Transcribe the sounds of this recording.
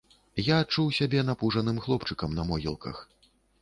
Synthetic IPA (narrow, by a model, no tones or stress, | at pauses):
jaːt͡ʂuwsʲabʲɛn̪apuʐɐnɨmxlˠɔpt͡ʂɨkɐmnɐmɔɣʲḭlˠkɐ̰x